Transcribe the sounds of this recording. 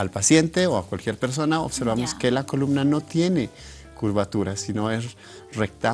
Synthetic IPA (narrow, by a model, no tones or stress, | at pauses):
alpasje̞nt̪eoakwalkjeɾpe̞ɾs̬o̞nao̰βseɾβamoskelako̞lumnano̞t̪je̞ne | kuɾβat̪uɾasino̞es | rek̚t̪a